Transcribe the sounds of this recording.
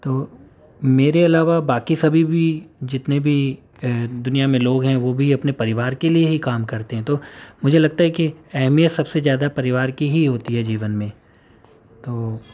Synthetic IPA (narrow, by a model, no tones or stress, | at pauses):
t̪oː | meːɾeɐlaːʋabaːkisɐbʱibʱid͡ʒɪt̪nebʱi | d̪ʊnijamẽloːɡɦɛ̃ʋobʱiɐpnepɐɾɪʋaːɾkelieɦikaːmkɐɾt̪eɦɛ̃t̪oːmʊd͡ʒʱelɐɡ̚t̪aɦɛkiɛɦmijət̪sɐbsezjaːd̪apɐɾɪʋaːɾkiɦiɦoːt̪iɦɛd͡ʒiːʋənmẽ | t̪oː